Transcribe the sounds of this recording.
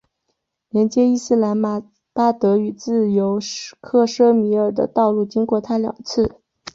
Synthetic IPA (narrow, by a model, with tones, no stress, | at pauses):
ljɛ˧˥nt͡ɕjɛ˥i˥˧sɹ̩˥˩la˧˥n˧˩ | pa˥t̪ɤ˧˥y˨˩t͡sɹ̩˥˩jo˧˥ʊkʰɤ˥˩ʂɤ˥mi˧˥ə˞˨˩d̪ə̰˦t̪ɑ˥˧ʊlu˥˩t͡ɕi˥ŋkwɔ˥˩t̪ʰa˥ljɑ̰˨˩ŋt͡sʰɹ̩˥˩